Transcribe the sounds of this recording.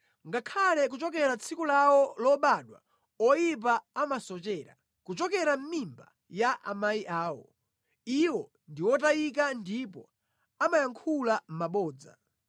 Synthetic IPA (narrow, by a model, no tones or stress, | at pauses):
ŋɡakʰalɛk̬ut͡ʃɔkɛɾat͡sʰikulawɔlɔɓaɗwa̰ | ɔjip̬aamasɔt͡ʃɛːɾa̰ | kut͡ʃɔkɛɾam̩mimba̰ | jaʔa̰maiʔaːwɔ̰ | iwɔ | ndiwɔt̬ajikandipɔ̰ | amajaŋkʰulam̩maɓɔːd͡za̰